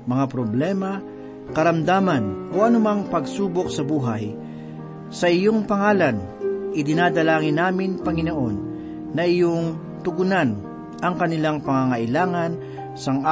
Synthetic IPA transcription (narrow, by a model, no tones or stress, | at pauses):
mɐŋapɾoblɛmɐ | kɐɾɐmd̪aːmɐnʔoʔɐnʊmaŋpɐɡsuːbo̞ksɐbuːɦaj | sɐʔɪjoŋpɐŋaːlanʔɪd̪ɪnaːd̪ɐlaːŋɪnːaːmɪnpɐŋɪnoʔo̞nː | ɐʔɪjoŋ | t̪ʊɡʊnan | ʔɐŋkɐnɪlaŋpɐŋaŋɐʔɪlaːŋɐn | sɐŋa